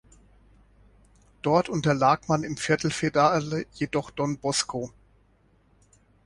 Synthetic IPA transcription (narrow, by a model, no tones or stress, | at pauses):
d̥ɔɐtʰʔʊntɐlaːkmanɪmfɪɐtl̩fedaləjedɔχd̥ɔnbɔskʰoː